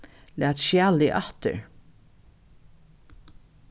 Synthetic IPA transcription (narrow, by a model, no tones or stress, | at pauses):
læːt̪ʃjæːlɪʔɑt̪ə̰ɹ